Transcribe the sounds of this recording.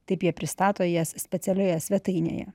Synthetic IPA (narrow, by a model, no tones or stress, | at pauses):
t̪ɐɪpjiɛpʲɾʲɪst̪ɑːt̪oːjiɛssʲpʲɛt̪ʲɛlʲoːjɛsʲʋʲɛt̪ɐɪnʲḛjɛ̰